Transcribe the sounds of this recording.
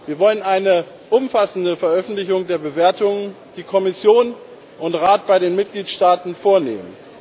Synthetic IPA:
viːɐvɔlənʔaɪnə | ʔʊmfasn̩dəfɛɐʔœfn̩tlɪçʊŋdeːɐbəveːɐtʊŋən | d̥iːkʰɔmɪsjoːn | ʔʊntʁaːt̚b̥aɪɾeːnmɪt̚ɡ̥liːtʃtaːtn̩foːɐnḛːmə̰n

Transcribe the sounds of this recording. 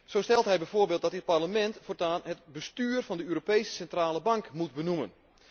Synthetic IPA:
sowstɛlˠtɦɛjbɛjvoːrbeːlˠtdɔtɪt̚parləmɛntfortaːnɦətbəstyːrfɔndəøːɾopejsə̥sɛntraːləbɑŋkmut̚bənumə̰n

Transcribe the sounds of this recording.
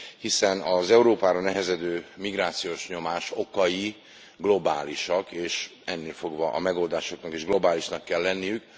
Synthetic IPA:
hisɛnɒzɛuɾoːpaːɾɒnɛɦɛzɛd̪øːmiɡraːt̪sijoʃɲo̞maːʃo̞kɒji | ɡlo̞baːliʃɒkeːʃɛnːeːlfo̞ɡvɒʔɒmɛɡo̞ld̪aːʃo̞knɒkeːʒɡlo̞baːliʃnɒkːɛlːɛnːijyk

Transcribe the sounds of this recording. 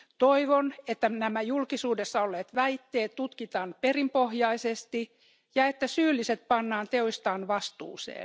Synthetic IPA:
t̪oiʋonet̪ːænæmæjulkisuːdesːɑolːeːt̪ʋæit̪ːeːt̪t̪ut̪kit̪ɑːnperimpohjɑisest̪i | jɑet̪ːæsyːlːiset̪̚pɑnːɑːnt̪eoist̪ɑːnʋɑst̪ṵːsḛː

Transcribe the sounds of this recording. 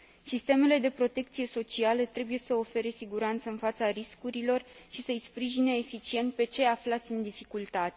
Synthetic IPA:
sist̪e̞me̞le̞d̪e̞pɾo̞t̪e̞k̚t̪sije̞so̞t͡ʃialət̪ɾe̞buje̞səo̞fe̞ɾe̞siɡuɾant̪səɨnfat̪saɾiskuɾilo̞rʃisəjspɾiʒineːfit͡ʃie̞nt̪̚pe̞t͡ʃe̞aflat̪sʲɨnd̪ifikult̪at̪e

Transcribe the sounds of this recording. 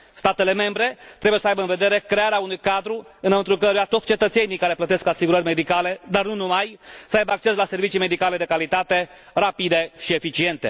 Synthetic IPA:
st̪at̪e̞le̞me̞mbɾe̞t̪ɾe̞bujesəajbəɨnve̞d̪e̞ɾe̞kɾe̞aɾeaunujkad̪ɾuɨnmɨnt̪ɾukəɾujat̪ot̪sʲt͡ʃe̞t̪ət̪se̞nijkaɾe̞plət̪e̞skasiɡuɾərʲme̞d̪ikale̞d̪arnunumajsəajbəak̚t͡ʃe̞slase̞rvit͡ʃijme̞d̪ikale̞d̪ekalit̪at̪e̞ | rapid̪e̞ʃie̞fit͡ʃie̞nt̪e̞̰

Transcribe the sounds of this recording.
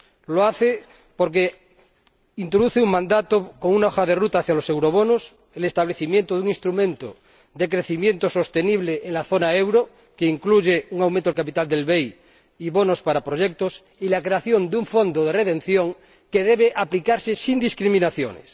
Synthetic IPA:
loaθe | poɾk̬e | int̪ɾoðuθeuŋmãnd̪at̪okoŋunaoxaðerut̪aːθjalose̞wɾoβonos | elest̪aβleθimjent̪oðuŋinst̪ɾumẽnt̪o | d̪ek̬ɾeθimje̞nt̪oso̞st̪eniβ̞leʔːŋlaθonaewɾo | keiŋkluʝeuŋawmẽnt̪oelkap̬it̪ald̪elβej | iβonospaɾapɾoʝek̚t̪os | ilakɾe̞aθjo̞nd̪uɱfo̞nd̪oð̞eret̪ẽn̟θjoŋ | keðeβeʔaplikaɾsesind̪iskɾimĩnaθjo̰nḛs

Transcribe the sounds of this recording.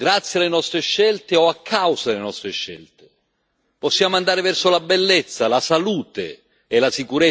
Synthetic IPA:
ɡɾat̪sːjalːenɔst̪ɾeʃːɛlt̪eɔakʰːawszad̪elenɔst̪ɾeʃːɛ̰lt̪e̥ | pɔsːjaːmoand̪aːɾɪvɛrsolabelːɛt̪sːalasaluːt̪ḛː | lasikuɾɛ

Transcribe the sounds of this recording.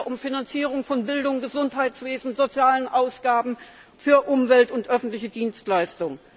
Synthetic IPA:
ʔʊmfinant͡siːʁ̞ʊŋfɔnbɪldʊŋɡəzʊnthaɪt͡sv̥eːzn̩zot͡sjaːlənʔaʊsɡ̥aːbm̩ | fyːɐʔʊmvɛltʊntʔœfn̩tlɪçədiːnstlaɪstʊŋ

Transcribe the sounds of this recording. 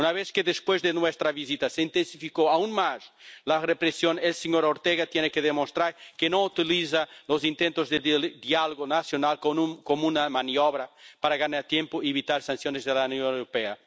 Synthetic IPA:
unaβeskeðespwezðenwest̪ɾaβizit̪aseint̪ensifikoaunmaslarepɾesjonelseɲoɾoɾt̪eɣat̪jenekeðemost̪ɾaɾkenõut̪iliz̬alozint̪ẽnt̪ozðeeld̪ialoɣonasjonalkonukomunamanijoβɾapaɾaɣanaɾt̪jẽmpoieβit̪aɾsansjonezðelanjõnewɾopea

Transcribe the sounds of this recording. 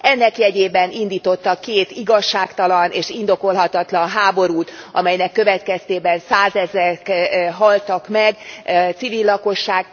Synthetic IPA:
ɛnːɛkjɛɟeːbɛnind̪iːt̪o̞t̪ːɒkːeːt̪iɡɒʃːaːkt̪ɒlɒneːʃind̪o̞ko̞lɦɒt̪ɒt̪lɒnɦaːbo̞ɾuːt̪ɒ̰mɛjnɛkːø̞vɛt̪kɛst̪eːbɛnsaːzɛzɛkɦɒlt̪ɒkmɛɡt̪sivilːɒko̞ʃːaːɡ

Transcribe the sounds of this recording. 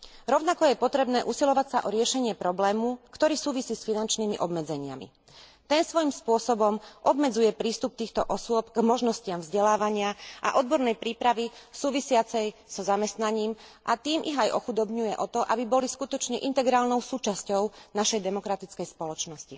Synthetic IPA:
ɾɔʊnakɔjɛpɔt̪ɾɛbnɛːʔusilɔʋacsaʔɔɾɪɛʃɛɲɪɛpɾɔblɛːmukt̪ɔɾiːsuːʋisiːsfinant͡ʃniːmiʔɔbmɛd͡zɛɲɪa̰mḭ | t̪ɛnsʋɔjimspʊɔsɔbɔmʔɔbmɛd͡zujɛpɾiːst̪up̚t̪iːxt̪ɔʔɔsʊɔpɡmɔʒnɔscɪamvzɟɛlaːʋaɲɪaʔa̰ʔɔd̪̚bɔɾnɛjpɾiːpɾaʋisuːʋisɪat͡sɛjz̥ɔzamɛst̪naɲiːmʔat̪iːmʔiɣajʔɔxud̪ɔbɲujɛʔɔt̪ɔʔabibɔliskut̪ɔt͡ʃɲɛʔint̪ɛɡɾaːlnɔʊsuːt͡ʃascɔʊnaʃɛjd̪ɛmɔkɾat̪it͡skɛjspɔlɔt͡ʃnɔsci

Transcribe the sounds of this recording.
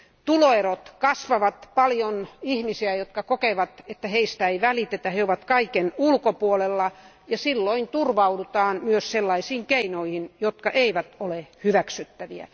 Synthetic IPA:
t̪uloerot̪kɑsʋɑʋɑt̪pɑljonihmisiæjot̪kɑkokeʋɑt̪et̪ːæheist̪æeiʋælit̪et̪æheoʋɑt̪kɑikenulkopuolelːɑ | jɑsilːoint̪urʋɑudut̪ɑːnmyøsselːɑisiːŋkeinoihinjot̪kɑʔeiʋæt̪olehyʋæksyt̪ːæʋiæ̰

